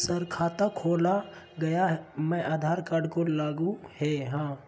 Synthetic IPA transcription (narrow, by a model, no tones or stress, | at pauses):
səɾkʰaːt̪akʰoːla | ɡɐjaɦmɛ̃ʔaːd̪ʱaːɾkaːɾɖkolaːɡũhɛɦãː